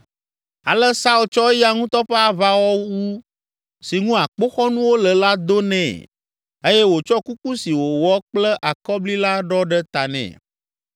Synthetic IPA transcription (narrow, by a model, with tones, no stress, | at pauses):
a̰˨lɛ˦sa˦u˨lt͡ʃɔ˦ja˦ŋũ˦t̪ɔ˦ɸe˦a˨va˦wɔ˦wu˦ | si˨ŋũ˦a˨k͡po˦xɔ˦nũ˦wo˦lə˨la˦d̪o˦nɛ̰̃˨ | e˦jɛ˦wo˨t͡ʃɔ˦ku˦ku˦si˨wo˨wɔ˦k͡plɛ˦ʔa˨kɔ˦bli˦la˦ɖɔ˦ɖɛ˦t̪a˨nɛ̰̃˨